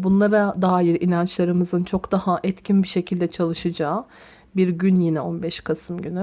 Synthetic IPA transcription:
bunlˠaɾad̪aːjiɾḭnant͡ʃlˠaɾɯmɯzɯnt͡ʃʰo̞kd̪ahaʔɛt̪cʰinbiʃe̞cʰilʲd̪ɛt͡ʃʰalˠɯʃɯd͡ʒaː | biɾɟynjinɛo̞nbɛʃkʰasɯmɟyny

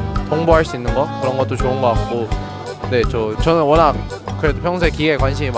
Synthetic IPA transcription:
toŋboɦaɭs͈uinːɯnɡʌkɯɾʌnɡʌt̚t͈ot͡ɕoɯnɡʌk͈ak͈̚o | ne̞t͡ɕʌt͡ɕʌnɯnwʌnak̚ | k͈ɯɾe̞dopʰjʌŋs̬ʰekiɡe̞kwanɕʰimim

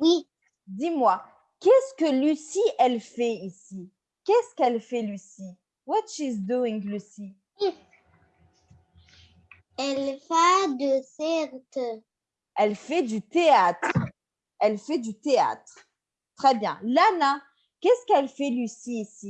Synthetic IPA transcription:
wi | d̪imwa | kɛskəlysiʔɛlfɛisi | kɛskɛlfɛlysi | wɔt̪ʃizd̪uĩŋlysi | ɛlfad̪əsɛʁt̪ə | ɛlfɛd̪yt̪eat̪χ | ɛlfɛd̪yt̪ea̰t̪χ | t̪χɛbjɛ̃lana | kʲɛskɛlfɛlysiːsi

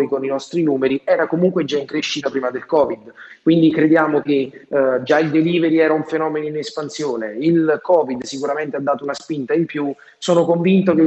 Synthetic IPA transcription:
jkoninɔst̪ɾinuːmeɾiɛːɾakomuŋkwed͡ʒaiŋkɾeʃːit̪apɾiːmad̪elkɔːvid̪kwind̪ikɾed̪jaːmoked͡ʒaild̪eliːveɾiɛːɾauɱfenɔːmenoinespansjoːneilkɔːvid̪sikuɾament̪ead̪ːaːt̪ounaspint̪aimpju | soːnokoɱvint̪oke

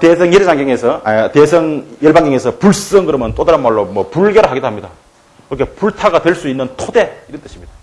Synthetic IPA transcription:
tesʰʌŋjiɾd͡ʑaŋɡeŋesʰʌtesʰʌŋjʌɭbaŋɡeŋesʰʌpuɭs͈ʌŋɡɯɾʌmjʌnt͈odaɾɯnmaɭːomʌpuɭɡʌɾɯɦaɡidoɦamɲida | kɯɾʌkʰepuɭtʰaɡadwe̞ɭs͈uinːɯntʰode̞iɾʌnt͈ɯɕʰimɲida

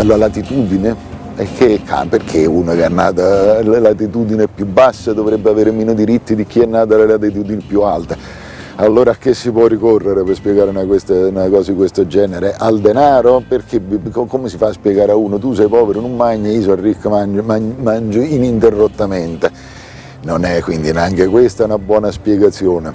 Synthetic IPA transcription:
aloɾalat̪it̪uːd̪ine | ɛkʰːekʰːa̰perk̟ʰeuːnakeɛnːaːt̪allat̪it̪uːd̪inepjubːasːad̪ovɾebːeaveːɾemiːnod̪iɾit̪ːid̪ik̟iɛnːaːt̪̬alelat̪̬it̪̬uːd̪inipːjualt̪e | alːoːɾak̟ːesːipwɔːikorːeɾepespjɛɡaːɾunakwest̪enakɔːzad̪ikwest̪od͡ʒɛːneɾeʔald̪enaːɾoperk̟ʰebkomesifaspjɛɡaːɾauːnot̪us̬ɛjpɔːveɾonumːaɲːaiːs̬ɔarːikːamanmamand͡ʒoinint̪erːot̪ːament̪e | nonɛkːwind̪ineaŋk̟ekwest̪aɛunabwɔːnaspjɛɡat̪sjoːne

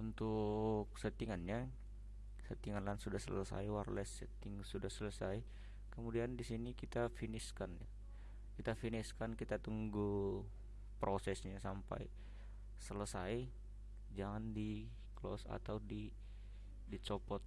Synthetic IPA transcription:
unt̪ʊk̚sət̪iŋanɲa | sət̪iŋanlansudahsələsa̰jwarlɛsɛt̪iŋsudahsələsaj | kəmudiandisinikit̪afiniskanja̰ | kit̪afiniskankit̪at̪uŋɡu | pɾosɛsɲasampa̰j | sələsaj | d͡ʒaŋandi | klɔ̰sa̰t̪awdi | dit͡ʃopɔt̪̚

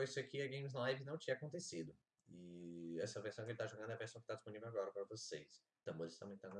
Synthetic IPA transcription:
ojisakiɐɡẽj̃mɪznalajvɪnɐ̃w̃t͡ʃĩɲɐakõnt̪esid̪ʊ | ɪɛsɐveɾsɐ̃w̃kelɪt̪aʒoɡɐ̃nd̪ʊɛɐveɾsɐ̃w̃kɪt̪ad͡ʒisponivẽwaɡɔɾɐpaɾɐvoses | t̪ɐ̃mboɾist̪ɐ̃mẽj̃t̪anɐ

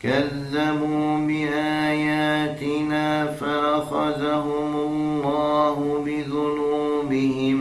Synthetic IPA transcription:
kaðːabuːbɪʔaːjaːt̪ɪnaːfaʔɑxaðaɦʊmalːɑːɦʊbɪðʊnuːbɪhɪm

